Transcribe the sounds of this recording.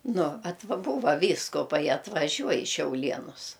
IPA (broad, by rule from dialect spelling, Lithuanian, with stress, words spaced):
ˈnʊ ˈɑːtʋɐ ˈbuːʋɐ ˈʋʲiːskʊˌpɐɪ ɐtʋɐˈʒʲuɔj ɪ ʃʲɛʊlʲˈiɛnʊs